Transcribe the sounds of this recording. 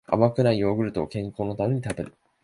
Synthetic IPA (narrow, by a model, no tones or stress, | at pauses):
a̰makɯ̟naijo̞ːɡɯ̟ɾɯ̟t̪o̞̰kẽ̞ŋko̞ːno̞t̪ame̞ɲ̟it̪abe̞ɾɯ